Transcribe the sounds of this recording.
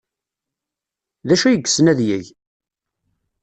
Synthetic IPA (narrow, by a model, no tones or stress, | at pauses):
ðæʃæjəɡ̥ːsnæðjæʝ